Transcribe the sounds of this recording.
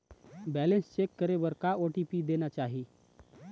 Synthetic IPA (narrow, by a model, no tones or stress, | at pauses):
bɛːlə̃nst͡ʃeːkːəɾebəɾkaoːʈipid̪eːnat͡ʃaːɦi